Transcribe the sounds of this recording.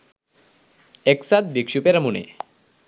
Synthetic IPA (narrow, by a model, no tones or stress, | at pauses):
eksat̪̚bikʃupeɾamunḛ